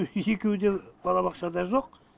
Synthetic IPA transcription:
e̞kʲe̞wd̪eb̥ɑlˠɑbɑqʃɑd̪ɑʒo̞q

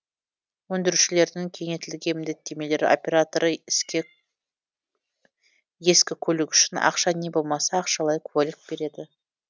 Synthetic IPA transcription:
wɵnd̪ɪɾuʃɪle̞ɾd̪ɪŋkʲʰe̞ŋe̞t̪ɪlɪɡʲe̞mɪnd̪e̞t̪ːe̞me̞le̞ɾɪ̰o̞̰pʲe̞ɾat̪oɾəɪskʲe | je̞skʲɪkʲʰɵlɪkʲʏ̥ʃɪnɑ̰qʃɑne̞bo̞lˠmɑsɑːqʃɑlˠɑjkʰuwalɪk̚b̥e̞ɾe̞d̪ɪ

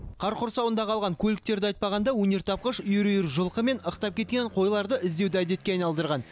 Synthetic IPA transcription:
qʰɑɾqʊɾsɑwənd̪ɑqʰɑlˠʁɑŋkʲʰɵlɪk̚t̪e̞ɾd̪ɪɑjt̪̚pɑʁɑnd̪ɑwɵne̞ɾt̪ʰɑp̚qəʃʏjʏɾjɪɾʒəlˠqəme̞nəqt̪ɑp̚kʲʰe̞t̪̚kʲe̞ɴqʰo̞jlˠɑɾd̪əʔɪzd̪e̞wd̪ɪæd̪e̞t̪̚kʲeɑjnɑlˠd̪əɾʁɑn

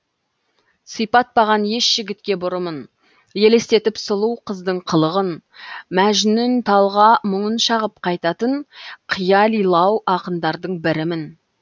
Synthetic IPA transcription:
sijpɑt̪̚pɑʁɑnje̞ʃʒ̥ɪɡʲɪt̪kʲe̞bʊɾəmən | je̞le̞st̪e̞t̪ɪpsəlˠuwqʰəzd̪əɴqʰəlˠəʁənmæʒɪnɪnt̪ʰɑlˠʁɑmʊɴənʃɑʁəp̚qʰɑjt̪ɑt̪əɴqʰijɑlˠijlˠɑwʔɑqənd̪ɑɾd̪əɴbɪɾɪmɪn

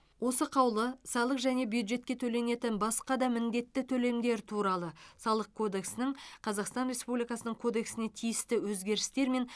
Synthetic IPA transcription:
wo̞səqʰɑwlˠəsɑlˠəqʒæne̞bjud̪ʒe̞t̪kʲe̞t̪ʰɵle̞ne̞t̪ɪnbɑsqɑd̪ɑmɪnd̪e̞t̪ːɪt̪ʰɵle̞md̪e̞ɾt̪ʰuɾɑlˠəsɑlˠəq̚kʰo̞d̪e̞ksɪnɪɴqʰɑzɑqst̪ɑnrʲe̞spublijkɑsənəɴkʰo̞d̪e̞ksɪne̞t̪ʰijɪst̪ɪwɵzɡʲe̞ɾɪst̪e̞ɾme̞n

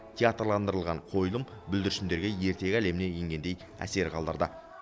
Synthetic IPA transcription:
t̪ʲʰeat̪rlˠɑnd̪əɾəlˠʁɑɴqʰo̞jlˠəmbʏld̪ɪɾɪʃɪnd̪e̞ɾɡʲeje̞ɾt̪e̞ɡʲæle̞mɪne̞jeŋɡʲe̞nd̪e̞j | æ̰se̞ɾqʰɑlˠd̪ɑɾd̪ɑ

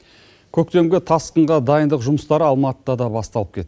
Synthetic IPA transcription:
kʲʰɵk̚t̪e̞mɡʲet̪ʰɑsq̪əɴʁɑd̪ɑjənd̪əqʒʊməst̪ɑɾəɑlˠmɑt̪əd̪ɑd̪ɑbɑst̪ɑlˠəp̚kʲʰe̞t̪ːɪ

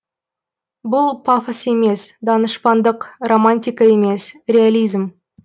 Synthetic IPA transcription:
bʊlˠpʰafəse̞me̞sd̪ɑnəʃpɑnd̪əqro̞manʲt̪ʲijkɑe̞me̞srʲe̞alʲijzm

